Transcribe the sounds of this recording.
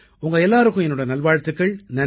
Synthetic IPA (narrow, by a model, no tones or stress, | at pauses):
ʊŋɡɐɛlːaːɾɯkːʊ̃ɛnːɯɽɐnɐlʋaːɻt̪ːɯkːɐɭnɐn